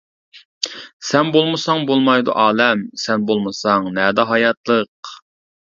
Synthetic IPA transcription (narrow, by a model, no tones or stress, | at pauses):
sɛnbolˠmɨsɑŋbolˠmɑjd̪ṵʔɑːlɛmsɛnbolˠmɨsɑŋnɛːd̪ɑɦɑjɑt̪lˠəq